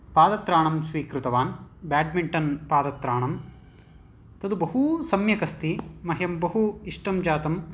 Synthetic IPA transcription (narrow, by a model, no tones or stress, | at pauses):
paːd̪ɐt̪ɾaːɳɐmsʋiːkɾut̪ɐʋaːnbaːɖmiɳʈɐnpaːd̪ɐt̪ɾaːɳɐm | t̪ɐd̪ubɐɦusɐmjɐkɐst̪imɐɦjɐmbɐɦuiʂʈɐmd͡ʒaːt̪ɐm